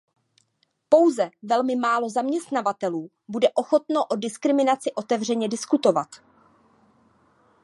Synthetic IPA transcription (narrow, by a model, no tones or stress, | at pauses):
po̞wzɛvɛlmɪmaːlo̞zamɲɛst̪navat̪ɛluː | budɛʔo̞xo̞t̪noʔo̞dɪskɾɪmɪnat͡sɪʔo̞t̪ɛvr̝ɛɲɛdɪskut̪o̞vat̪